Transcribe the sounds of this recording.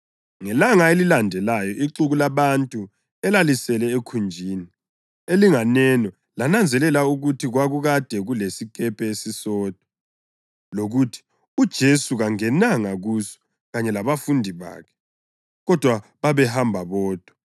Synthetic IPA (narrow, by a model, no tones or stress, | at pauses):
ŋɛlaŋaelilandʱɛlajɔʔiǁuɣulaβantʼu | ɛlalisɛlɛekʰund͡ʒʱiːni | eliŋanɛnɔ | lanand͡zʱɛlɛlauɣutʰiɣwaɣuɣad̥ʱɛɣulesikʼɛpʰɛesisɔːd̥ʱɔ̥ | loɣutʰi̥ | ud̥ʒ̥ʱesuɣaŋɛnaŋaɣusɔ̥ | ɣaɲɛlaβafundʱiβa̰ːkʰɛ̥ | ɣɔd̥ʱwaβaβɛhambʱaβɔːd̥ʱɔ